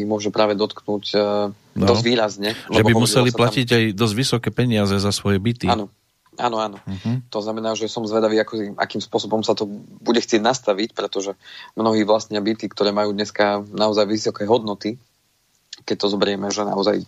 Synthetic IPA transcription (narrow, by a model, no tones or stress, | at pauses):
imʊɔʒɛpɾaːʋɛd̪ɔt̪knuːɟ | d̪ɔzʋiːɾazɲɛlʒɛɛbɔbimusɛliplaciɟajd̪ɔzɟʋisɔkɛːpɛɲɪazɛzasʋɔjɛbit̪ianɔ | ʔa̰ːnɔaːnɔt̪ɔznamɛnaːʒɛsɔmzʋɛd̪aʋiːakɔiʔa̰kiːmspʊɔsɔbɔmsat̪ɔbuɟɛxt͡sɪɛɟnast̪aʋicpɾɛt̪ɔʒɛmnɔɦiːʋlast̪ɲɪabit̪ikt̪ɔɾɛːmajuːd̪ɲɛskanaɔzajʋisɔkɛɦɔd̪nɔt̪i | kɛc̚t̪ɔzɔbɾɪɛmɛʒɛna̰ɔzaj